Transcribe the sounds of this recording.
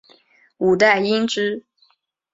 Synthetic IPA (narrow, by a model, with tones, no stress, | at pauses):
u˨˩t̪a˥˩ɪi˥ŋʈ͡ʂɻ̩˥